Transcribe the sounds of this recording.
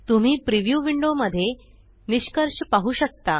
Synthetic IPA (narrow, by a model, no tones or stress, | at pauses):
t̪um̤iːpɾiʋjuʋiɳɖoməd̪ʱːje | niɕkəɾɕpaɦuːɕək̚t̪a